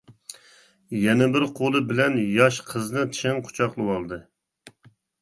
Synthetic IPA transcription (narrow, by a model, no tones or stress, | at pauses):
jɛnɛbɪɾqʰolˠɨbɪlɛnjɑʃqʰəznɨt̪ʰʃɪŋqʰʊ̥t͡ʃʰɑqlˠɨwɑlˠd̪ɨ